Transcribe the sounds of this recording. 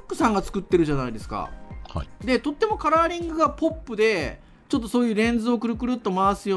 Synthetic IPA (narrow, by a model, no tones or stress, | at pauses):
kːɯ̟sãŋɡat͡sɨ̥kɯ̟t̪ːe̞ɾɯ̟ʑanaid̪e̞sɨ̥ka̰hd̪e̞t̪o̞t̪ːe̞mo̞kaɾaːɾʲĩŋɡɯ̟ɡapo̞pːɯ̟d̪e̞ | t͡ɕo̞t̪ːo̞so̞ːjɯ̟ːɾẽ̞nd͡zɨo̞kɯ̟ɾɯ̟kɯ̟ɾɯ̟t̪ːo̞maasɨjo̞ː